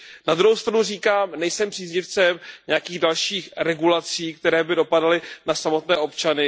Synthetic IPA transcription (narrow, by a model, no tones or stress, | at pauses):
nad̪ɾuɦowst̪ɾanuriːkaːmnɛjsɛmpr̥iːzɲɪft͡sɛmɲɛjakiːɣdalʃiːxɾɛɡulat͡siːk̚t̪ɛɾɛːbɪdo̞padalɪnasamo̞t̪nɛːʔo̞pt͡ʃanɪ